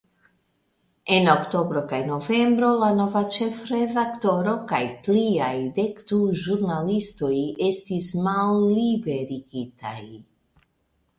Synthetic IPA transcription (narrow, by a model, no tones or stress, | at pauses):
e̞nokto̞bɾo̞kajno̞ve̞mbɾo̞lano̞vat͡ʃe̞fɾe̞dakto̞ɾo̞kajpliajde̞kduʒuɾnalisto̞je̞stismalːibe̞ɾiɡita̰j